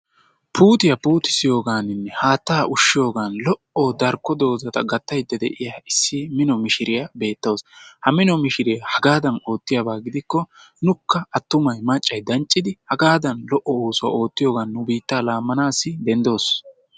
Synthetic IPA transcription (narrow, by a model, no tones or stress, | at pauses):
pʰuːt̪ɪjɐpuːt̪ɪ̥sɪjo̞ːɡaːnɪnːɛhaːt̪ːaːʔʊʃːɪjo̞ːɡaːnlɔʔɔd̪ɐɾkːɔd̪o̞ːzɐt̪ɐɡɐt̪ːɐjd̪ːɐd̪ɛ̰ʔɪjaːɪsːɪmɪnɔmɪʃɪɾɪjɐbe̞ːt̪ːɐwshɐmɪnɔmɪʃɪɾɪjɐhɐɡaːd̪ɐno̞ːt̪ːɪjabaːɡɪd̪ɪkːɔ | nʊkːɐʔɐt̪ːʊmɐjmɐt͡ʃʼːɐjd̪ɐnt͡ʃʼːɪd̪ɪhɐɡaːd̪ɐnlɔʔːɔoːsʊa̰o̞ːt̪ːɪjo̞ːɡaːnːʊbiːt̪ːaːlaːmːɐnaːsːɪd̪ɛnd̪o̞ːs